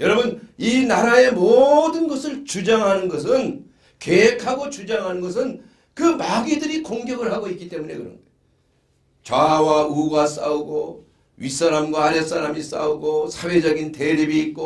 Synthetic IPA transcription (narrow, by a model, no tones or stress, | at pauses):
jʌɾʌbɯninaɾae̞modɯnɡʌsʰɯɭt͡ɕud͡ʑaŋɦanɯnɡʌs̬ʰɯn | ke̞ɦekʰaɡot͡ɕud͡ʑaŋɦanɯnɡʌs̬ʰɯn | kɯmaɡidɯɾikoŋɡjʌɡɯɭɦaɡoik͈it͈e̞mune̞̰kɯɾʌ̰nde | t͡ɕwawauɡas͈a̰uɡo | ɥis͈aɾamɡwaaɾjʌs͈aɾamis͈a̰uɡosʰawe̞d͡ʑʌɡinte̞ɾibiːt̚k͈o